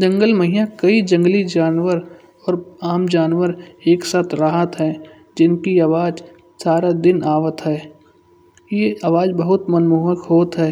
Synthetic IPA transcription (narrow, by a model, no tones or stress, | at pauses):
d͡ʒɐ̃ŋɡəlmɐɦijakɐid͡ʒə̃ŋɡlid͡ʒaːnʋəɾ | ɔːɾaːmd͡ʒaːnʋəɾeːksaːt̪ʰɾəɦət̪ɦɛː | d͡ʒɪnkiaʋaːd͡ʒ | saːɾad̪ɪnaːʋət̪ɦɛː | jeaʋaːd͡ʒbɐɦʊt̪mɐnmuːɦəkɦoːt̪ɦɛː